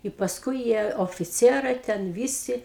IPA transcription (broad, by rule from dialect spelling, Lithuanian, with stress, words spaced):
ɪ pɐsˈkʊɪ ˈjiɛ oːfʲɪˈt͡sʲiɛrɐɪ tʲɛn ˈʋʲiːsʲɪ